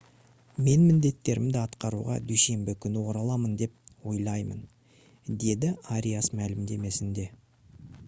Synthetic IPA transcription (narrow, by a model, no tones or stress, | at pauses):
me̞nmɪnd̪e̞t̪ːe̞ɾɪmd̪ɪɑt̪qɑɾuʁɑ̰d̪yjse̞mbɪkʲʰʏnɪwo̞ɾɑlˠɑmənd̪e̞p̚wo̞jlˠɑjmə̰n | d̪e̞d̪ɪaɾʲijasmælɪmd̪e̞me̞sɪnd̪e̞